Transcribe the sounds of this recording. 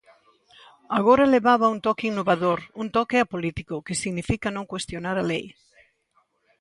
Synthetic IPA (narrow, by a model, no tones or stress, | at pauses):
aɣ̞oɾaeleβaβɐunt̪ɔkiŋnoβaðoɾunt̪ɔkeapolit̪ikokesiɣnifikɐnõŋkwest̪jonaɾalej